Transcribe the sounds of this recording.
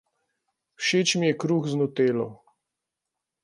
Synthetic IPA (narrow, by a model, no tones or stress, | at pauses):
wʃeːt͡ʃmijɛkɾuːxznɔt̪eːlɔ̰